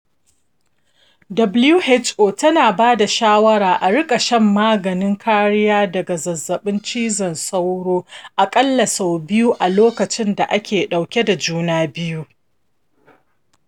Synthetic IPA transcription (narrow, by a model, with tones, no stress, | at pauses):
dɐ˨blju˦he˦t͡ʃʔoː˨tɐ˦naː˨baː˦da˨ʃaː˦wɐ˦ɽaː˨ʔa˨ɽɪ˦kʼa˨ʃɐ˦mːaː˦ɡɐ˨nɪ˦ŋkʰaː˦ɽɪ˦jaː˦dɐ˨ɡa˨zɐ˨zːɐ˨ɓɪ˦nt͡ʃiː˦zɐ˨nsa˦wɽoː˦ʔa˨kʼɐ˦lːɐ˨sa˨wbɪ˦ju˦ʔa˨loː˦kɐ˨t͡ʃɪ˦nda˨ʔa˦kʲeː˨ɗa˨wkʲe˦da˨d͡ʒuː˦naː˦bɪ˦ju˦